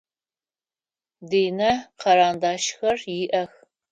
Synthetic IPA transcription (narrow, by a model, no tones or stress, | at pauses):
deːjnɐqʰɐɾaːndaːʃxɐrjɪʔɐx